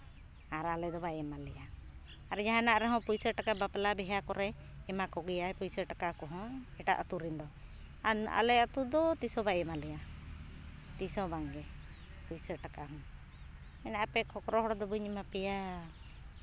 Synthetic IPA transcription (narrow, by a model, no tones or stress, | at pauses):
aɾalɛd̪ɔbaɛmalɛja | aɾɛd͡ʒaɦãnaʔɾɛɦɔ̃pujsəʈakabapɛlabɛɦakɔɾɛ | ɛmakɔɡijaɛpujsəʈakakɔɦɔ̃ɛʈa̰ʔət̪uɾind̪ɔ | aa̰lɛət̪ud̪ɔt̪isɔbaɛmalija | t̪isɔbaŋɡɛ | pujsəʈakaɦɔ̃ | ɛnaʔapɛkʰɔkɾɔɦɔɽɔd̪ɔbuɲɛmapɛja